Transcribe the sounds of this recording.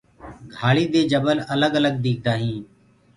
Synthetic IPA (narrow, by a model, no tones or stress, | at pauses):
ɡʱaːɭiːd̪eːd͡ʒəbələləɡələɡ̚d̪iːk̚ʰd̪aːɦĩː